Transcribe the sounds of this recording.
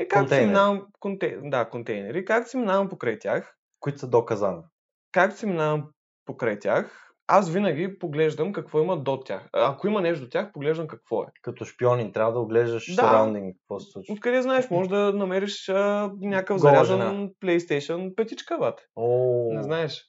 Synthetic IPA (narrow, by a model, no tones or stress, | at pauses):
ɛkak̪sɛiminavəmkont̪ɛd̪akont̪ɛjnɛɾikakt̪siminavɐmpokɾajt̪ʲjax | kʊit̪səd̪ɔkɐzanɐ | kak̚t̪o̥siminavɐm | pokɾajt̪ʲax | asvinɐɡʲipoɡlɛʒd̪əmkɐkvɔimɐd̪ot̪ʲa̰xɐkoimɐnɛʃt̪od̪ot̪ʲjaxpoɡlɛʒd̪əmkɐkv̥ɔɛ̰kɐt̪ɔʃpiɔnint̪ɾʲavəd̪ɐoɡlɛʒd̪əʃd̪aɾawnd̪iŋɡkə̥kvɔsi̥slˠut͡ʃokɐd̪ɛznaɛʃmɔʒd̪ɐnɐmɛɾiʃənʲakəfzɐɾazənplɛjst̪ɛjʃənpɛt̪ʲit͡ʃkəvat̪ɛ̥onɛznaɛʃ